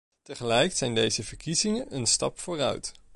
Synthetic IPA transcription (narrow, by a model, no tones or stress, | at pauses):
təχəlɛjksɛjndejzəvəɹkizɪŋənʔənstɑ̰pfʊːrœ̰ɥt